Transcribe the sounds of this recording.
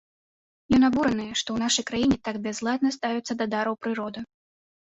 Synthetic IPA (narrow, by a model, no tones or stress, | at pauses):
jɔnabuɾɐnɨjɛʂt̪ɔwn̪aʂɐjkɾajinʲɛt̪aɡbʲɛzlˠad̪̚nɐst̪avʲɛt̪sːɐd̪ɐd̪aɾɐwpɾɨɾɔd̪ɨ